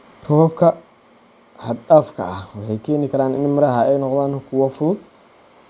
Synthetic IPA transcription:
rɔbkʰɐ | ħɑd̪aːfkʰɐ̰ɐhwɑħɑjkʰɛːnɪkʰɐɾaːnɪnmɐɾɐɦɐɛjnɔqðaːnkʰʊwɐfʊðʊd̪

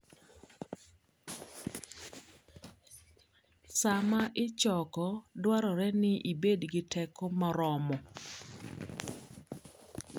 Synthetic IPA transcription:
samaʔɪt͡ʃɔkɔdwaɾɔɾɛnɪʔibedɡɪtʰɛkɔmaɾɔmɔ

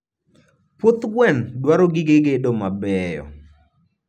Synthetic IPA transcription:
pwot̪ɡwɛndwaɾoɡɪɡeɡedomabɛjɔ̰

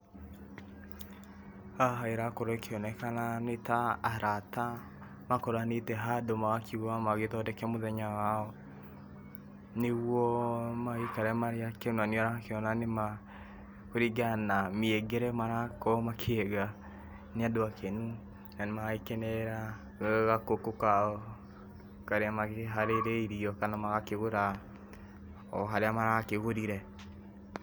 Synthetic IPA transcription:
aɦaeɾakoɾokʰeɔnɛkananetaːɾata | makoɾanetɛɦadomaɣakʰiamaɣetɔdɛkɛmoðɛɲawaɔ | neɣwɔmaekaɾɛmaɾeakenoaneɔɾakeɔnanema | koɾiɡanamieɡeɾɛmaɾakɔmakʰeɛɣa | neadoakʰenu | nanemaɣaikenɛɾa | ɣakokokaɔ | kaɾeamaɣeɦaɾeɾeiɾiɔkanamaɣakeɣoɾa | ɔ̰ɦaɾeamaɾakeɣoɾiɾɛ

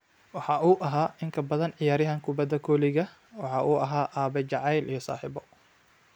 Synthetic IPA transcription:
wɑħɑːʔuːʔɐɦaːʔɪŋkʰɐbɐðɐnʕɪjaːɾɪɦɐŋkʰʊbɐd̪ɐkʰɔːlɪɣɐ | wɑħɑːʔuːʔɐɦaːʔaːβɛt͡ʃɑʕɑjlʔijɞsa̰ːħiːbɔ

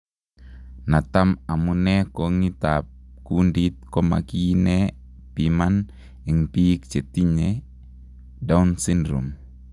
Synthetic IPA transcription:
nat̪amamunekoŋit̪ap̚ | kundit̪̚kɔma̰kine | piman | iŋpik̚t͡ʃɛt̪iɲe | daunsindɾṵm

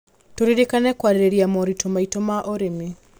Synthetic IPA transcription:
toɾiɾekanɛkwaɾɾeɾiamɔɾitɔmaitɔmaʔɔɾemi

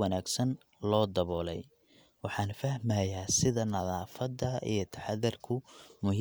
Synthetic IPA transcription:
ɑnaːɡsɐn | lɔːd̪ɐβɔːlɛ̰j | wɑħɑːnfɐhmɐjaːsɪðɐnɐðaːfɐd̪ɐḭjɞt̪ʰɐ̥ħɑðɪrkʰʊmʊɦ

